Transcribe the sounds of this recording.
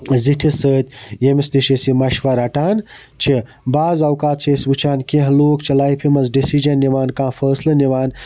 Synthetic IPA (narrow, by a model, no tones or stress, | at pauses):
ziʈʰisəːt̪ʲjemist̪iʃesimɐʃʋɐɾɐʈaːn | t͡ʃʰi | baːzɐwkaːt̪̚t͡ʃʰeːsbut͡ʃʰaːnkẽɦloːkt͡ʃʰilaːjpʰimɐzɖisid͡ʒɐnːiʋaːnkãːfəːslɐniʋaːn